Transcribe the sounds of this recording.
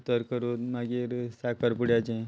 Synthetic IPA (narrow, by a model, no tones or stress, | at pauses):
t̪əɾkəɾot̪maɡeɾsakʰəɾpuɽjat͡ʃẽ